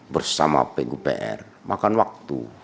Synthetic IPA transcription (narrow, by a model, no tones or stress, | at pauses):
bərsama̰peʔɡupḛʔɛ̰r | makanwak̚t̪u